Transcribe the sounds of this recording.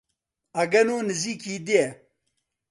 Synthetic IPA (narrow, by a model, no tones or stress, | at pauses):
ɐɡɐnoːnɨziːkiːd̪iɛ